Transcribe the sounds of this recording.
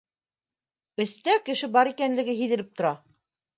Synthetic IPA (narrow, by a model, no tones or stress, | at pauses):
ɘ̆st̪ækɘ̆ʃɘbɑɾikænlɘ̆ɡɘɦiðɘ̆lɘp̚t̪ŏɾɑ